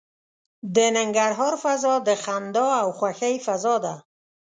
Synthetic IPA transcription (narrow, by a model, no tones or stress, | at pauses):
d̪ənɪŋɡaɾɦɔɾfazɔd̪əxand̪ɔawxwaxajfazɔd̪a